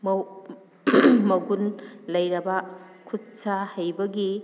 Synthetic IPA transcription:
mw | mɐɡunlɐjɾɐbɐkʰutsahɐjbɐɡi

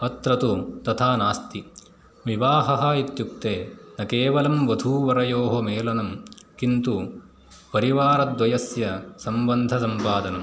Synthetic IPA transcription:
ɐt̪ɾɐt̪ut̪ɐt̪ʰaːnaːst̪i | ʋiʋaːɦɐɦɐit̪juk̚t̪eːnɐkeːʋɐlɐmʋɐd̪ʱuːʋɐɾɐjoːɦomeːlɐnɐmkint̪u | pɐɾiʋaːɾɐd̪ʋɐjɐsjɐsɐmbɐnd̪ʱɐsɐmpaːd̪ɐnɐm

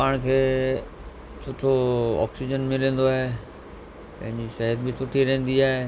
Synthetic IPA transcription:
paːɽ̃kʰeː | sʰʊʈʰoɔ̰ːksid͡ʑənmɪlẽːn̆d̪oaːɦe | pɐ̃ɦɪ̃ɲd͡ʑiʃɐɦəɾbɪsʊʈʰiɾɐ̃ɦɪ̃n̆d̪iaːɦe

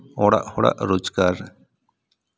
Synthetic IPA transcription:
ɔːɽa̰ʔhoɽa̰ʔɾoːd͡ʒɡaːɾ

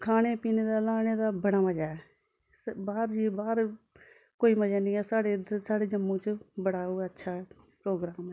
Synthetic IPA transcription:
kʰaːɽ̃eːpiːneːd̪aːlaːneːd̪aːbəɽaːməd͡ʒaːɛ | baːɾd͡ʒiːbaːɾ | koːiːməd͡ʒaːnĩːɛːsaːɽeːsaːɽeːd͡ʒəmːõːt͡ʃbəɽaːoːətːʃʰaːɛ | pɾoːɡɾaːmɛː

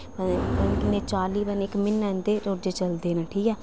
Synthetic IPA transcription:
əənɪnːeːt͡ʃaːliːbənɪkmɪnːɛ̃ːnd̪eːɾoːd͡ʒeːt͡ʃəld̪eːnəʈʰiːɛː

